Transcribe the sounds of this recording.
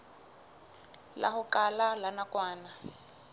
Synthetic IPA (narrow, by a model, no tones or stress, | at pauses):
la̰hʊkalalanakwaːna